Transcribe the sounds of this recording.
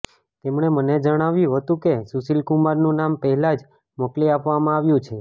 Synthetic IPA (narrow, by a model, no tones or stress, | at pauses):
t̪emɳ̃eməned͡ʒəɽ̃aʋjũɦət̪ũkesusilkumaɾnũnampəɦɛlad͡ʒ | mokliapʋamãaʋjũt͡ʃʰe